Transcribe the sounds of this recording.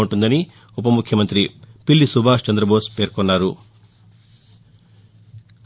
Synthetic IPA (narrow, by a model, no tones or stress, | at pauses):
uɳʈund̪ɐni | upɐmukʰjɐmɐnt̪ɾipilːisubʱaːʂt͡ʃɐnd̪ɾɐboːspe̞ːɾkɔnːaːɾu | k